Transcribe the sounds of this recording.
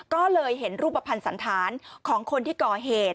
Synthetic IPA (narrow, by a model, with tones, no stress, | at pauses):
kɔː˥˩lɤː˧jɦe˩˦nɾuː˥˩p̚ːa˧pʰa˧nsa˩˦nt̪ʰaː˩˦nkʰɔː˩˦ŋkʰo˧nt̪ʰiː˥˩kɔː˨˩ɦeː˨˩t̪̚